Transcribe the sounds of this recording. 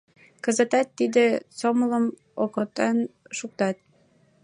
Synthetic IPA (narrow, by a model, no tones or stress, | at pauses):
kə̆zə̆t̪ɑt̪ːid̪esomələ̆m | okot̪ɑnʃuk̚t̪ɑt̪̚